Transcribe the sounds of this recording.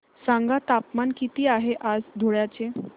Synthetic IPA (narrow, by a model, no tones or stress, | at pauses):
sãŋɡat̪apmankit̪iːaɦeʔad͡zd̪ʱoɭjat͡ɕe